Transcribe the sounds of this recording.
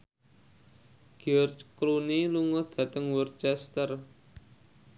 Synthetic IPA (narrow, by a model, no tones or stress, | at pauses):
ɡ̥iɔrt͡ʃkluniluŋɔd̪̥ä̤t̪əŋwər̚t͡ʃɛst̪ər